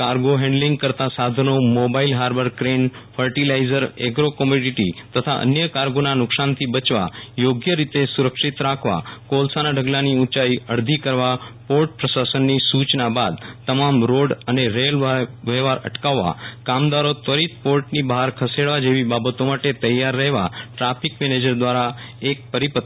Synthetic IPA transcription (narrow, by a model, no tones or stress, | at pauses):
kaɾɡoɦɛ̃ɳɖlĩŋɡ̚kəɾt̪asad̪ʱənomobailɦaɾbəɾkɾenfʰəɾʈilaizəɾeɡɾokəmjoɖiʈit̪ət̪ʰaʔə̰njəkaɾɡonanʊksant̪ʰibət͡ʃʋa̰joɡjəɾit̪esuɾəkʃit̪ɾakʰʋa̰kolsanaɖʱəɡlaniũt͡ʃaiəɾd̪ʱikəɾʋapoɾʈ̚pɾəsasənːisut͡ʃnabad̪̚t̪əmamɾoɖəneɾelʋʋeʋaɾə̰ʈkaʋːa̰kamd̪aɾot̪ʋəɾit̪̚poɾʈnibəɦaɾkʰəseɽʋad͡ʒeʋibabət̪omaʈet̪əjaɾːəɦʋaʈɾapʰikmɛned͡ʒəɾd̪ʋaɾaek̚pəɾipət̪ː